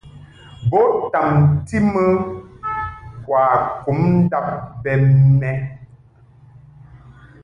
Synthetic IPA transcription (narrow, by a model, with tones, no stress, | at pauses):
bɔ˨˦ta˨mti˦mə˦ | kwaː˨ku˨˦mn̩˦da˦p̚bɛ˨mnɛ˦